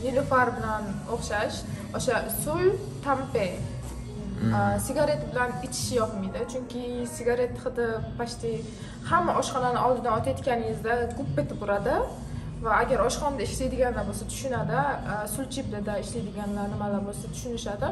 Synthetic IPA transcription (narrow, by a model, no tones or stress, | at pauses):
nɪlɪfaɾbɪlan | oχʃaʃ | oʃasʊj | t̪ʰampej | sɪɡʲaɾe̞t̪bɪlanɪt͡ʃʰɪ̥ʃɪjɒpmɪd̪ɪt͡ʃʰʊŋkʲɪsɪɡʲaɾe̞t̪ʰːχɨd̪ɪpʰaʃt̪ɪ | hamːaʔɒʃχɒnanɪɒlˠd̪ɪd̪aɒt̪ʰaet̪kʲanɪɪzd̪akʰʊp̚bet̪ʰɪpʊɾad̪ɪ | vaːɡʲaɾɒʃχɒnad̪aɪʃlajd̪ɪɡʲanlaɾbosat̪ʰʊ̥ʃʊnad̪asʊlt͡ʃʰɪblad̪aɪʃlajd̪ɪɡʲanlaɾnɪmalaɾbolˠsat̪ʰʊ̥ʃʊnɪʃad̪ɪ